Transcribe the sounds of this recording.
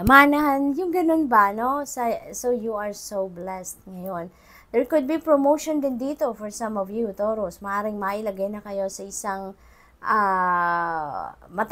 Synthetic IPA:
ɐmanɐɦanjʊŋɡɐno̞nbɐno̞sɐsowjuɐɹsowblɛst̪̚ŋɐjo̞n | d̪ɛɹkʊd̪̚bipɹomowʃond̪ɪnd̪iːt̪o̞fɔɹsɐ̃mɔvjut̪oɾosmɐʔaːɾɪŋmaʔɪlɐɡajnɐkɐjo̞sɐʔɪsaŋ | ʔa | mɐt̪

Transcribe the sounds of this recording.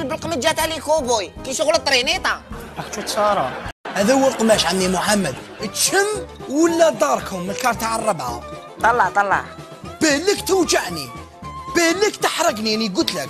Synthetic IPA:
lbəlqməd̪d͡ʒæt̪ʕlikubujkiʃʊɣlət̪ˤːɾinit̪ˤɑ | ækt͡ʃut̪sɑɾˤɑhæðæwəɾq̪mæʃʕanːimʊħamːəd̪ | ət̪ʃəmːwəlːæd̪ˤɑɾˤkʰʊmːəlkɑɾˤt̪aʕərˤːɑbʕa̰ | t̪ˤɑlːɑʕt̪ˤɑlːɑ̰ʕ | b̥ælːəkt̪əwd͡ʒaʕni | b̥æləkt̪əħɾˤəɡniniɡʊt̪lək

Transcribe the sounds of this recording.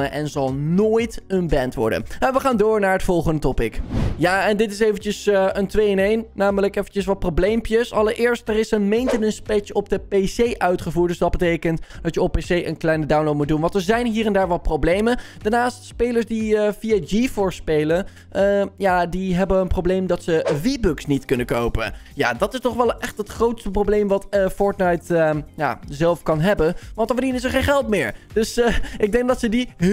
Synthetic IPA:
əʔɛnzɑlˠnoːjtənbɛntʋɔ̰ɹdə̰nɛʋəχaːndʊːɹnaːɹətfɔlˠχəndətɔpɪkjaːɛndɪtɪs̬ejvənt͡ʃəsəəntʋejənejnnaːmələkɛfənt͡ʃəsʋɑt̚problejmpjəsɑlˠəɹʔɪːɹstəɾɪsənmejntɪnənspɛt͡ʃɔb̚dəpesejʔœɥtχəvuːɹt̚dɵzdɑd̚bətejkəntd̥ɑtjəɔp̚pːesejʔənklɛjnədawnlot̚mud̚unʋɑ̃ntəɹzɛjnɦiːrɛndaːɹʋɑt̚prowblejmən | d̥aːɹnaːstspejləɹsdiəfiad͡ʒifʊɹspejlə | ʔəjadiɦɛbənənprowblejmdɑtsəʋibøksnitkɵnəkowpə̰ | ja̰ːdɑtɪstɔχʋɛlˠɛχtɦətχrowtstəprowblejmʋɑtəfɔɹtnajtəja̰zɛlˠfkɑnɦɛbənʋɑntəfədinəɪs̬əɹχejnχɛlˠtmɪːɹd̥ɵsʔɪɡ̚dɛŋk̚dɑtsədi

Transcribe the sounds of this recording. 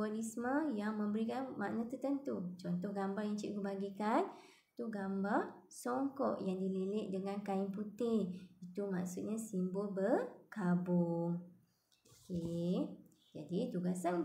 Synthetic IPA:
alismə̃jaŋmə̃mbəɾikanma̰ʔnat̪ərt̪ənt̪ut͡ʃɔnt̪ɔhɡambarjaŋt͡ʃiʔkubaɡikan | t̪uɡambar | sɔŋkɔʔjaŋdililɪʔ̚dəŋãnkaɪnput̪ɪit̪uma̰ksut̪̚ɲasimbolbərkabʊŋ | oke | d͡ʒadit̪uɡasan

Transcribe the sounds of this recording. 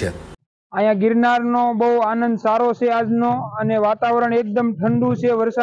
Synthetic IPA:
e | ãɦjãɡɪɾnaɾnobəuanənd̪saɾot͡ʃʰead͡ʒnoəneʋat̪aʋɾəɳek̚d̪əmʈʰəɳɖũt͡ʃʰeʋəɾsa

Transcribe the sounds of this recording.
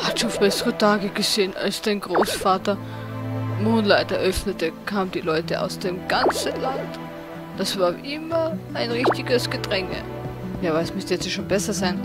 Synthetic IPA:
hatʃoːnb̥ɛsəʁətʰaːɡəɡ̥əzeːəna̰lsd̥aɪnɡʁoːsfaːtɐ | moːnlaɪtɐɐʔœfnətəkʰaːməndiːlɔʏtəʔa̰ʊsd̥eːmɡ̥ant͡sənlant | d̥asv̥aːɐʔɪmɐʔaɪnʁɪçtɪɡəsɡ̥ədʁɛŋə̰ | jaːvasmʏstəjɛt͡sjaːʃoːnbɛsɐzaɪn

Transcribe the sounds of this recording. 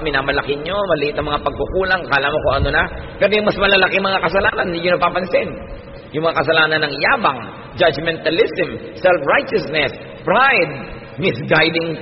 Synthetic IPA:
mɪnaːmɐlɐkɪɲːo̞mɐlɪʔɪt̪ɐŋmɐŋapɐɡ̚kʊkuːlɐŋkɐʔlaːmɐkoʔɐnonɐpɛɾojʊŋmɐsmɐlɐlɐkɪmɐŋakɐsɐlaːnɐnjʊnɐpaːpɐnsɪn | jʊŋmɐŋakɐsɐlaːnɐnːɐŋjaːbɐŋ | d͡ʒad͡ʒmɛnt̪ɐlɪsɛm | sɛlfɹajt͡ʃɐsnɛs | pɹajd̪̚ | mɪsɡajd̪ɪŋ

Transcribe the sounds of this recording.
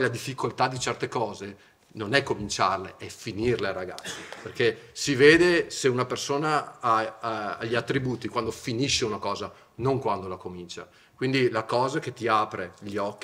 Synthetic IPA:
lad̪ifːikolt̪ad̪it͡ʃɛrt̪ekɔːze | nonɛkːomint͡ʃarleʔɛfinirleaɾaɡa̰t̪sːiperkesiveːd̪eseunapersoːnaaː | ʎːiat̪ːɾibuːt̪ikwand̪ofiniʃeunakɔːza | noŋkwand̪olakomint͡ʃa̰ | kwind̪ilakɔːzak̟et̪ːiaːpɾeʎɔkːi

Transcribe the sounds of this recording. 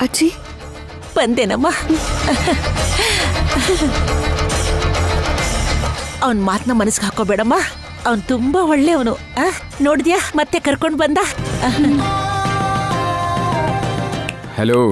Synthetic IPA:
ɐt͡ʃi | b̥ɐnd̪eːnɐmːaː | ɐʋɐnmaːt̪nɐmɐnɐsiɡɦaːkobeːɽɐmːaː | ɐʋɐnt̪umbaɔɭːeɐʋɐnu | aː | noːɽd̪ijaːmɐt̪ːe̞kɐɾkoɳɖbɐnd̪aː | heloː

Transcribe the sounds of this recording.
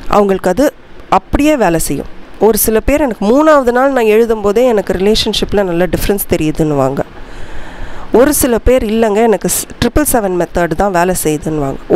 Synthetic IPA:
ʔɐ̰ʋɐŋɡɐɭɯkːɐðɯ | ʔɐpːɐɽɪjeːʋeːlɛsɛjːʊ̰̃ɔɾɯsɪlɐpeːɾɛnɐkːɯmuːnaːʋɐðɯnaːlnãːɛɻɯðɯmpoːðeːɛnɐkːɯɾɪleːʂɐnʂɪpːɪlɐnɐlːɐɖɪfɐɾɛnst̪ɛɾɪjɐðɯnːɯʋa̰ːŋɡɐ | ɔɾɯsɪlɐpeːɾɪlːɐŋɡɐɛnɐkːɯʈɾɪpːɐlsɛʋɛnmɛt̪ːaːɖt̪ãːʋeːlɛsɛjɐðɯnːɯʋa̰ːŋɡɐ

